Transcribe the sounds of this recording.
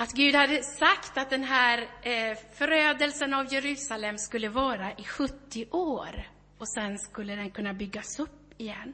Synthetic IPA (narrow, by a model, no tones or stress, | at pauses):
at̪ɡʉ̟ːd̪had̪ːəsakt̪at̪̚d̪ɛnɦæːɾ | fœɾøːd̪əlsənavjɛɾʉ̟ːsalɛmskɵlːəvɑːɾaʔɪɧɵt̪ʰːɪʔoːɾ | ɔsɛnskɵlːəd̪ɛnkʰɵnːabʏɡːasɵpːɪjɛnː